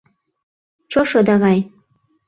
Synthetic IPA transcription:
t͡ʃoʃɤd̪ɑɣɑj

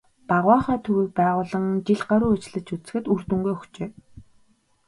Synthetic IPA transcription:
paʁwaːχɔːt̪ʰɵɣiːk̚pæːʁʊːɮə̆ŋt͡ɕiɮɢaɾuːæt͡ɕ̆ɮɘ̆t͡ɕut͡sɘ̥̆xɘ̆t̪ur̥t̪ɵ̆ŋɡujɵxt͡ɕeː

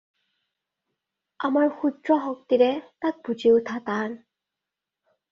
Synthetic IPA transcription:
amaɹxudɹɔɦɔk̚tiɹɛtak̚bud͡ʒiowtʰatan

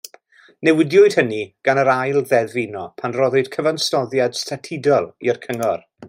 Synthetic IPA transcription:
nɛwɪdjʊɨd̥həniɡ̥anəɾajlˠðɛðvɪnɔpʰanrɔðʊd̥kʰəvanstɔðjad̥stʰatʰɪdɔlˠiərkʰəŋɔr

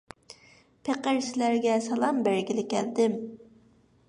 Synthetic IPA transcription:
pʰeqəɾsɪlæɾɡʲɛsɑlˠɑmbæɾɡʲilɪkʲæ̰ld̪ɪm

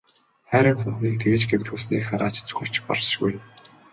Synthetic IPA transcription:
χæːɾʲɪ̆ŋχʊ̆ɴχniːk̚t̪ʰeɣɘ̆t͡ɕɡemt̪xusniːkχaɾaːt͡ɕt͡sɵ̥xɘ̥̆t͡ɕpɔ̰rsʃɡuj

